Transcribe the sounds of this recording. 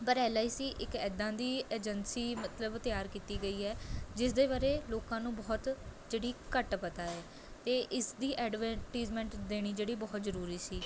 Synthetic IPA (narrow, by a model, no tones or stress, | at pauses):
pəɾɛːlaːisiːʔɪkɛːd̪ãːd̪iːeːd͡ʒənsiːmət̪ləbt̪ɪjaːɾkiːt̪iːɡəiːɛːd͡ʒɪsd̪eːbaːɾeːloːkãːnũːbɔːt̪d͡ʒeːɽiːkəʈpət̪aːɛː | t̪eːʔɪsd̪iːʔɛːɖʋɛ̃ːʈiːd͡ʒmɛ̃ːɳʈd̪eːɽ̃iːd͡ʒeːɽiːbɔːt̪zəɾuːɾiːsiː